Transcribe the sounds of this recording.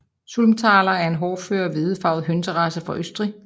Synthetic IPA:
sulmt͡sʰɑ̈ːlɐæɐe̝nɦɒːføɐʋeðˠfɑ̈ʊɦønt͡sʰəʁɑsəfʁɑʔøsd̥ʁi

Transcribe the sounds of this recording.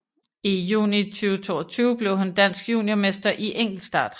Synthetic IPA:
ijṵːnit͡sʰyːʊt͡sʰo̝̰ːɒt͡sʰyːʊb̥le̝ʊhænd̥æn̰sɡ̥jṵːnjome̝sd̥ɐʔiʔeŋ̰ɡ̥l̩d̥sd̥ɑ̰̈ːd̥

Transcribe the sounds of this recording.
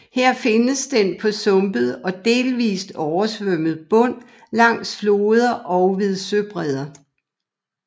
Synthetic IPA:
heɐ̰fe̝nəsd̥enpʰɒ̽sɔ̽mb̥əð̩ˠɒ̽d̥e̝ːlʋḭːsd̥ɒʊɐsʋøm̰əð̩ˠb̥ɔ̽n̰ | lɑ̈ŋ̰d̥flo̝ːð̞ˠɐʔɒʊʋeðˠsøb̥ʁɛð̞ˠɐ

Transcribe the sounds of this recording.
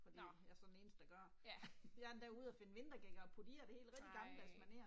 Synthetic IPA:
fɒ̽d̥ḭjæɐsɒ̽nde̝ːnsd̥ə̥æɡ̥ɶɐ | jɑd̥æuð̞̩ˠæfe̝nəʋe̝nd̥ʁɐɡ̥eŋ̰ɐɒ̽pʰod̥iːɐd̥ehe̝̰ːl̥ʁɛɡ̥d̥iɡ̥ɑ̈mləb̥æsmæne̝̰ːɐ

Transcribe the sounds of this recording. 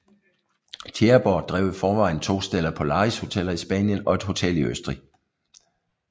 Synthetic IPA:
t͡sʰeɐb̥ɒ̥d̥ʁɛʊəfɒːʋɑ̈ɪ̰n̩t͡sʰo̝̰ːsd̥elɐpʰɒ̽lɑ̈ːisho̝t͡sʰelɐisb̥ɛnjənɒ̽e̝d̥ɦo̝t͡sʰel̰iøsd̥ʁi

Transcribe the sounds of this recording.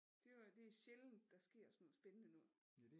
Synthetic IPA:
d̥e̝d̥e̝æɕeln̩d̥ɑ̈sɡ̥e̝ɐ̰smɔ̰̽sb̥enənənṵ

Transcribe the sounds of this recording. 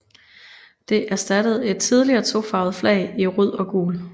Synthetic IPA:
d̥e̝ʔæɐsd̥æd̥əð̞̩ˠe̝d̥̚t͡sʰið̞ˠliɐːt͡sʰo̝fɑ̈ːð̞̩ˠflɛ̰ɪiʁuð̰ˠɒ̽ɡ̥o̰ːl

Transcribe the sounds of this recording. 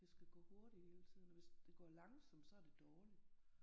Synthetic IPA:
d̥e̝sɡ̥æɡ̥ɔ̰̽ːho̝ɐɾ̥i̥heːlt͡sʰið̰ˠnɒʋe̝sd̥e̝ɡ̥ɒ̰ːlɑ̈ŋsɑm̰d̥sɒ̽æɐd̥e̝d̥ɒːli̥

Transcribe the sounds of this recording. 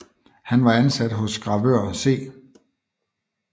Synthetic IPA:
hænʋɑ̈ænsæd̥ɦɔ̽sɡ̥ʁɑ̈ʋøɐ̰se̝̰ː

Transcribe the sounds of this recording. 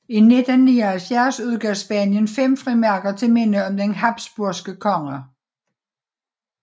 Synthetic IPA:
ine̝d̥æniːɐhælfjæɐsuð̞ˠɡ̥œɐsb̥ɛnjənfem̰fʁimæɐɡ̥ɐt͡sʰe̝lmen̰əɒ̽md̥enɦɑ̈b̥sb̥uɐsɡ̥əkʰɒ̽ŋɐ

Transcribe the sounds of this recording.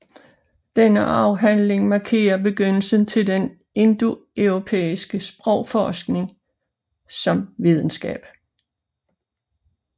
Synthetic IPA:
d̥enəʔɑ̈ʊɦænle̝ŋmɑ̈kʰe̝̰ːɐb̥e̝ɡ̥øn̰l̩sən̩t͡sʰe̝lden | e̝nd̥uœʊʁo̝pʰḛːisɡ̥əsb̥ʁɔ̽ʊ̰fɒːsɡ̥ne̝ŋ | sɒ̽mʋið̞ˠn̩sɡ̥ɛ̰ːb̥

